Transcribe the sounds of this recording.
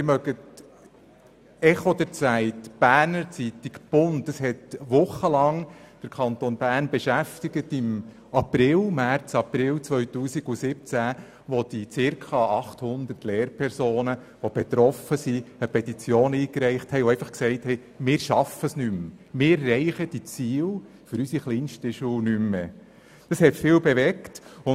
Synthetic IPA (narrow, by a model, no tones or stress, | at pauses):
mɪmœɡət | ɛχɔd̪əɾt͡sæɪtb̥æːɾnəɾt͡sitikb̥ʊntdɑshɛt̪ʋʊχəlɑŋd̥əɾkʰɑnt̪onbæːnbɛʃæft̪iɡətɪm | ɑpɾɪlmært͡sɑpɾɪlt͡sʋœɥtuːsiɡ̥usɪp̚t͡sæ | ʋɔd̥it͡sɪɾkʰɑɑχt̪hʊnd̪ərtlɛːɾpʰɛɾsoːnə | ʋob̥et̪ɾɔfəsiəpʰɛt̪it͡sjoːniːkɾɛɪχthɛɪoɛɪfɑχksɛɪthɛɪ | mɪːɾʃɑfəsnymmɪːɾːɛɪχəd̥it͡siːl | fʏɾysiχliːnʃtəʃuːnymːe | d̥ɑshɛtfɪːwbeʋɛktʊ